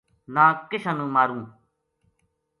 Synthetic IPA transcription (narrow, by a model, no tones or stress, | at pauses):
nãːkeɕɐnũmaɾũː